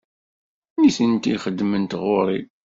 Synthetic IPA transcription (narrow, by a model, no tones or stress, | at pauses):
niθənt̪iχəd̪mənt̪ʁʊɾˤi